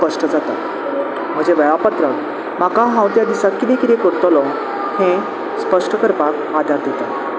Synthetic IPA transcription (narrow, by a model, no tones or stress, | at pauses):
pəʂʈəd͡zat̪a̰ | m̤ə̃d͡ʑeʋəɭapət̪ɾək | makaɦãwt̪jad̪isakːid̪ekit̪ekəɾt̪ɔlɔ | hẽ | spəʂʈəkəɾpak | ad̪ʱaɾd̪et̪a̰